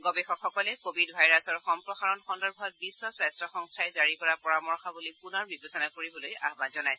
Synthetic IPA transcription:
ɡɔbɛxɔkxɔkɔlɛkobʱidbʱajɹasɔɹxɔmpɹɔxaɹɔnxɔndɔɹbʱɔt̚bisːɔsɹastʰɔxɔŋstʰajzaɹikɔɹapɔɹamɔɹxɔbulipunɔɹbibɔsɔnakoɹibɔloja̰ɦbanzɔnajsɛ

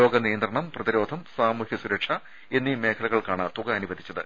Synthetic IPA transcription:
o̞ːɡɐnijɐnd̪rɐɳɐmprɐðiɾo̞ːd̪ʱɐmsaːmuːhisuɾɐkʂɐ | e̞nːime̞ːkʰɐlɐɣɐɭkaːɳɨt̪uɣɐɐnuʋɐd̪ʱit͡ɕːɐðɨ̰

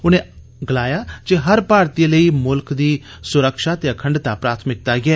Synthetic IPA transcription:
ʊneː | ɡəlaːjaːd͡ʒeɦəɾpaːɾt̪iləiːmʊlkd̪iː | sʊɾəkʃaːt̪eːəkʰəɳɖt̪aːpɾaːt̪ʰmɪk̚t̪aːɡɪɛː

